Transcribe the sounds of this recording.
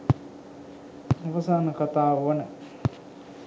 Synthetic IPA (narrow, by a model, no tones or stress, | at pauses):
uʋəsaːnəkat̪aːʋʋənə